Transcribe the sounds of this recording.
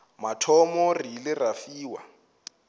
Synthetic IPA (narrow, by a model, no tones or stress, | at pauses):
matʰɔmɔrilɪrafiːwa̰